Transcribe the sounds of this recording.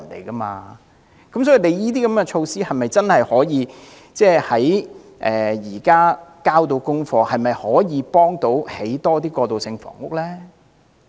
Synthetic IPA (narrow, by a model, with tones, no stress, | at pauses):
nḛ˨˩jkɐ˥ma̰ː˧ | kɐ˨˦ms̬ɔː˨˥ji˨˧le˨˧jjiː˥t̪̬iː˥kɐ˨˥mkɛ˧t͡ʃʰo˧wsiː˥hɐ˨jmɐ˨˩jt͡sɐ˥nhɐ˨jhɔː˨˥jiː˨˧ | t͡sɛː˥˩hɐ˨˥j | ʔɛː˨jiː˨˩kaː˥kaː˥wt̪o˧˥wkʊ˥ŋfɔː˧hɐ˨jmɐ˨jhɔː˨˥jiː˨˧pɔː˥ŋt̪o˨˧˥whe˨˥jt̪ɔː˥t̪̬iː˥kɔː˧t̪o˨wsɪ˧ŋfɔ̰ː˨˩ŋʊ˥k̚lɛː˥